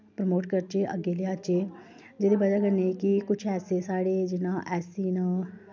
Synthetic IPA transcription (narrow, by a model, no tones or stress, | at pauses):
pɾəmoːʈkəɾt͡ʃeːʔə̰ɡeːleːat͡ʃeː | d͡ʒeːd̪eːbəd͡ʒaːkəɾneːkɪkʊt͡ʃʰɛːseːsaːɽeːd͡ʒɪnãːʔɛːsiːnãː